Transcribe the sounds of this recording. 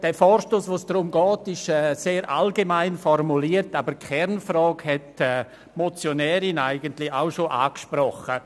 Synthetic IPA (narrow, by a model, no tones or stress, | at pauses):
d̥ɛːfɔːɾʃtoːsvoːsd̥rʊmɡɔːtɪʃɛːseːɾʔa̰lɡemaɪnfɔrmuliːəɾtaːbəɾkʰɛɾnfrɔːɡhɛtɛː | mot͡sjonɛːɾɪnaɪɡəntlɪaʊʃoʔaːkʃprɔχə